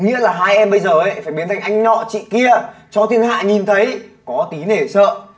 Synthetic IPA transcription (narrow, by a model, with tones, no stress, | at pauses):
ŋḭ˧˥əlaː˨˩ɦaː˧jʔɛ˧mɓə˧jzəː˨˩ʔə˨˦jfaː˧˩jɓi˨˦ənt̪ʰŋʔa˧jŋ̟ɲɔ̰˧˨t͡ɕḭ˧˨ki˧ət͡ɕɔ˧t̪ʰɨ˧əŋha̰ː˧˨ɲi˨˩nt̪ʰə˨˦jkɔ˨˦t̪i˨˦ne˧˩sə̰ː˧˨